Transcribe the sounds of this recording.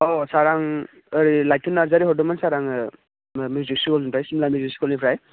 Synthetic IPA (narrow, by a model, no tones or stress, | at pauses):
ɔsaɾaŋ | əɾilajtʰunːaɾzaɾiɦɔdɔmansaɾaŋɯ | miziksikʰɔlipajsimlamiziksi̥kʰɔlnipʰɾaj